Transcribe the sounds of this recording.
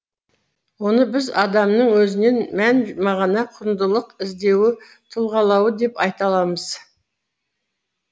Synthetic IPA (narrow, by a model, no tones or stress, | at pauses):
wo̞nəbɪzɑd̪ɑmnəɴwɵzɪne̞nmænmɑʁɑnɑqʰʊɾnd̪əlˠəqɪzd̪e̞wɪ | t̪ʰʊlˠʁɑlˠɑwəd̪e̞pɑjt̪ɑlˠɑməz̥